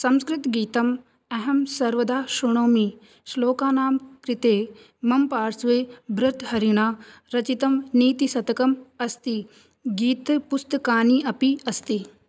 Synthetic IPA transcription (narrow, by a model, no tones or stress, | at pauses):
sɐ̃mskɾɪt̪ɡiːt̪ɐm | ɛɦɐmsɐɾʋɐd̪aːʃuɳ̃oːmi | ʃloːkaːnaːmkɾit̪eː | mɐmpaːɾsʋeːbɾɐt̪ɦɐɾiɳaːɾɐt͡ʃit̪ɐmniːt̪isɐt̪ɐkɐmɐst̪i | ɡiːt̪pust̪kaːniːʔɐpiɐst̪i